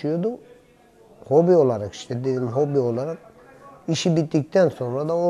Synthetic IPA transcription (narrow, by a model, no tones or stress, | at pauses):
yjo̞d̪u | ho̞bio̞lˠaɾaki̥ʃt̪ʰɛd̪elimɦo̞bio̞lˠaɾak̚ | iʃibit̪ːic̚t̪ʰænso̞nɾad̪ao